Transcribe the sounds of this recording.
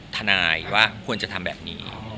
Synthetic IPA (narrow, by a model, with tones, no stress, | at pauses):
t̪ʰa˧naː˧jwaː˥˩kʰu˧ənt͡ɕa˨˩t̪ʰa˧mbɛː˨˩p̚nḭː˦˥